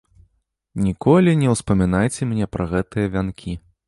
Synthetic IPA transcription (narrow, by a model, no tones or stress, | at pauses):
nʲikʰɔlʲinʲɛwspɐmʲin̪ajt͡sʲɛmnʲɛpɾʔɐɣɛt̪ɨjɐvʲankʲʰi